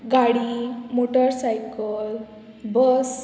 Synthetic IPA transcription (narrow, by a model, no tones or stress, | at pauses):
ɡaɽimoʈəɾsajkəl | bəs